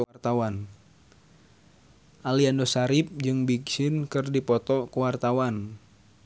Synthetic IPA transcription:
t̪awan | ʔaliandosaɾip̚d͡ʒɨŋbiksɪnkɨrdipɔt̪ɔkəwart̪awan

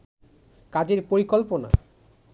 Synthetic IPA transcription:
kad͡ʑeɾpoɾikolpona̰

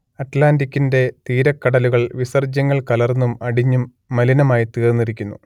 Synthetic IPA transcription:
ɐʈlaːndikʲːinde̞t̪iːɾɐkːɐɽɐluɣɐɭʋisɐrd͡ʑɐŋːɐɭkɐlɐrnːumɐɽiɲːumː | ɐlinɐmaːjit̪eːrnːiɾikʲːunːu

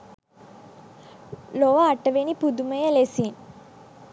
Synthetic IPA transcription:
loʋaːʈəʋenipud̪uməjəlesin

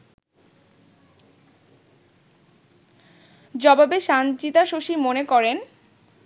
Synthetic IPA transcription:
d͡ʑɔbabeʃant͡ɕit̪aʃoʃimonekɔɾen

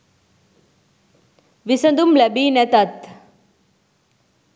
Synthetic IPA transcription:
ʋisɐnd̪umlebiːnɛt̪at̪

